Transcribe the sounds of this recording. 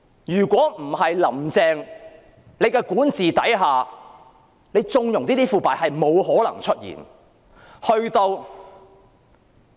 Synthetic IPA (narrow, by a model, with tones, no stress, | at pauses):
jyː˨˩kʷɔː˨˥m̩˨˩ɦɐ˨jlɐ̰˨˩mt͡sɛː˧ŋ | le˨˧jkɛː˧kuː˨˥nt͡siː˨t̪ɐ̰˨˥jɦaː˨ | ne˨˧jt͡sʊ˧ŋjʊ˨˩ŋt̪iː˥t̪iː˥fuː˨˩paː˨˩hɐ˨jmo˨˧wɦɔː˨˥lɐ̰˨˩ŋt͡ʃʰɵ˥t̚jḭː˨˩n | hɵ˧ɥt̪o˧w